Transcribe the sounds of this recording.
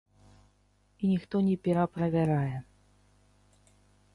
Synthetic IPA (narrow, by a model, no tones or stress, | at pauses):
inʲixt̪ɔnʲɛpʲɛɾapɾɐvʲaɾajɛ